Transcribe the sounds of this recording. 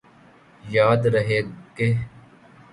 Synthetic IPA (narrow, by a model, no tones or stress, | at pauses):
jaːd̪ɾəɦeːke